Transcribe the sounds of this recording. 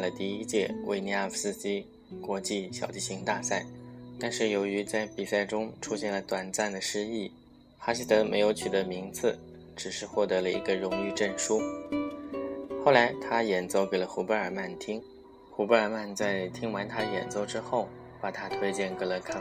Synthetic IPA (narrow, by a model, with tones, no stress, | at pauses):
a˥˩lə˩t̪i˥˧i˥t͡ɕjɛ̰˥˧wʔḛ˥˩ɪni˧˥a˥˧˩fs̩˥ɕi˥ | kwɔ˧˥t͡ɕi˥˩ɕjɑ˨˩ʊt͡ɕi˥˩ɕi˧˥ŋt̪a˥˧sa˥˩ɪt̪a˥˧nʂɻ̩˥˩jo˧˥ʊy˧˥t͡sa˥˩ɪpi˨˩sa˥˩ɪʈ͡ʂʊ˥ŋʈ͡ʂʰu˥ɕjɛ˥˩nlə˩t̪wa˨˩nt͡sa˥˩nd̪ə˩ʂɻ̩˥i˥˩ | xa˥ɕ̬i˥t̪ɤ˧˥me˧˥ɪjo˧˥ʊt͡ɕʰy˨˩d̪ə˧˥mi˧˥ŋt͡sɹ̩˥˧ | ʈ͡ʂɻ̩˨˩ʂɻ̩˥˧xwɔ˥˩t̪ɤ˧˥lə˧ḭ˧˥ɡə˧ɻʊ˧˥ŋy˥˧ʈ͡ʂə˥˩nʂu˥ | xo˥˩ʊla˧˥ɪt̪ʰa˥jɛ˨˩nt͡so˥˩ʊke˨˩ɪlə˦xu˧˥pə˧˥ə˞˨˩ma˥˩nt̪ʰi˥ŋ | xu˧˥pə˥ə˞˨˩ma˥˧nt͡sa˥˩ɪt̪ʰi˥ŋwa˧˥nt̪ʰa˥˧jɛ̰˨˩nt͡so˥˧ʊʈ͡ʂɻ̩˥xo˥˩ʊ | pa˨˩t̪ʰa˥t̪ʰwe˥ɪt͡ɕjɛ˥˩nkɤ˧˥lə˧˩kʰa˥